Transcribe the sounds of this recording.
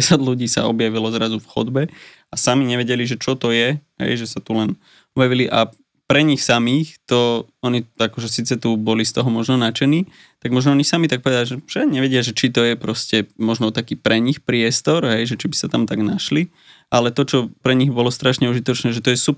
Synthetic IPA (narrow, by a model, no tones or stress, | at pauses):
ɛsad̪luɟiːsa̰ɔbjaʋilɔzɾazufxɔd̪bɛ | asamiɲɛʋɛɟɛliʒɛt͡ʃɔt̪ɔjɛɦɛ̰jʒɛsat̪ulɛn | ɔbjaʋiliʔa | pɾɛɲixsamiːxt̪ɔɔɲiakɔʒɛsiːt͡sɛt̪ubɔlist̪ɔɦɔmɔʒnɔnat͡ʃɛniː | t̪aɡmɔʒnɔɔɲisamit̪ak̚pɔʋɛd̪alʒɛʃɛaɡɲɛʋɛɟɪaʒɛt͡ʃit̪ɔjɛpɾɔscɛmɔʒnɔt̪akiːpɾɛɲixpɾɪɛst̪ɔɾɦɛjʒɛt͡ʃibi̥sat̪amt̪aɡnaʃli | ʔalɛt̪ɔt͡ʃɔpɾɛɲiɣbɔlɔst̪ɾaʃɲɛuʒit̪ɔt͡ʃnɛːʒɛt̪ɔjɛsup